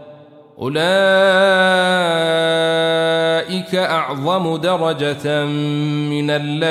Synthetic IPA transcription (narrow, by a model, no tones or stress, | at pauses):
ʔʊ̰laː | ʔɪkaʔɑʕðˤɑmʊd̪ɑɾˤɑd͡ʒa | mɪnalːa